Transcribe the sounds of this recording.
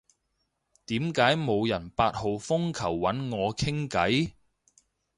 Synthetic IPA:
t̪iː˨˥mkaː˨˥jmo˨˧wjɐ˨˩npaː˧t̚ho˨wfʊ˥ŋkʰɐ˨˩wːɐ˨˥nŋɔː˨˧kʰɪ˥ŋkɐ˨˥j

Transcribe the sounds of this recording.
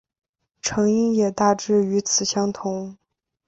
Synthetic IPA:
ʈ͡ʂʰɤ˧˥ŋi˥ŋjɛ˨˩t̪a˥˩ʈ͡ʂɻ̩˥˩y˧˥t͡sʰɹ̩˨˩ɕjɑ˥ŋt̪ʰʊ˧˥ŋ

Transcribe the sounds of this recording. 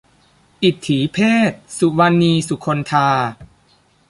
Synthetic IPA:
ʔi˨˩t̪ʰːiː˩˦pʰeː˥˩t̪̚su˨˩wa˧nːiː˧su˨˩kʰo˧nt̪ʰaː˧

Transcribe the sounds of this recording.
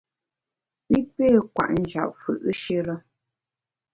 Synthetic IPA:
mi˦pe˦˨kwa̰˨ʔn̩˨d͡ʒa̰˨p̚fɯ̰˨ʔə˦ʃe˦ɾə˦

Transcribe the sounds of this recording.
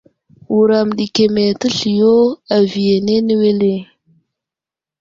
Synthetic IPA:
wu˨ɾa˨mɗi˨ke˨me˨tə˦ɬi˨jo˦a˨vi˨je˨ne˦nə˦we˦le˦˨

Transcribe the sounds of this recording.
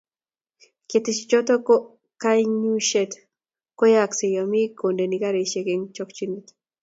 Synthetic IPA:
ke˨t̪ɪt͡ʃt͡ʃɔ˦t̪ɔ˦kɔ | ka˦jɲu˦ʃe˦t̪ | ko˦jaksi˨jɔ˨mi˦ko˨nde˨ni˨ka˦ɾe˨ʃe˨ke˦ŋt͡ʃɔ˦kt͡ʃinit̪

